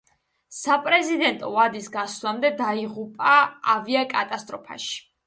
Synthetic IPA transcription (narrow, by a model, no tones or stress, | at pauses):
sapʼɾɛzid̪ɛnt̪ʼɔvad̪isɡaslˠamd̪ɛd̪aiʁupʼaaviakʼat̪ʼast̪ʼɾɔpʰa̰ʃi̥